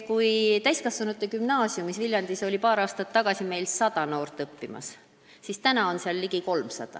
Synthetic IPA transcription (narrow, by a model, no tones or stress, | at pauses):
kujt̪æjskɑsvɑnut̪ːˑekymnɑːsjumisvilʲjɑnd̪̥iso̞lʲipɑːɾɑːst̪ɑt̪ːɑɡ̥ɑsʲime̞jlsɑd̪̥ɑno̞ːrt̪ːˑɤpːimɑ̰s | sist̪ænɑo̞nseɑlːiɡ̥iko̞lmsɑ̰d̪̥ɑ̰